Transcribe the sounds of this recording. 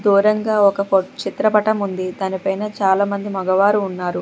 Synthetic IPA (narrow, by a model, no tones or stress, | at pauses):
d̪uːɾɐŋɡaːɔkɐpot͡ʃit̪ɾɐpɐʈɐmund̪id̪aːnipɐjnɐt͡ʃaːlaːmɐnd̪imɐɡɐʋaːɾuːnːaːɾu